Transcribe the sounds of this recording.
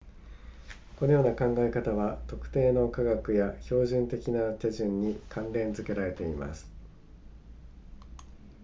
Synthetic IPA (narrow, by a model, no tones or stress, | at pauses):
ko̞nojo̞ːnakãŋɡae̞kat̪aβat̪o̞kɯ̟̥t̪e̞ːno̞kaɡakɯ̟jaço̞ːʑɨ̃nt̪e̞kʲinat̪e̞ʑɨ̃ɲːikʰãnɾẽ̞nd͡zɨke̞ɾaɾe̞t̪e̞ima̰sɨ̥